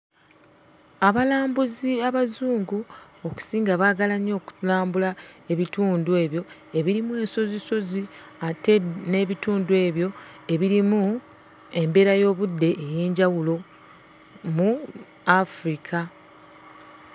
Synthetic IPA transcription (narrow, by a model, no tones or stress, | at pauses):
aβalaːmbuziaβazuːŋɡu | oku̥siːŋɡaβaːɡalaɲo̞ːku̥laːmbulae̞βituːndue̞ːβjo̞e̞βiɾimue̞ːnso̞ziso̞ziate̞ne̞βituːndue̞ːβjo̞e̞βiɾimu | e̞mbe̞ɾajo̞ːβudːe̞ʔːje̞ːɲɟawulo̞ | mu | afɾikʰa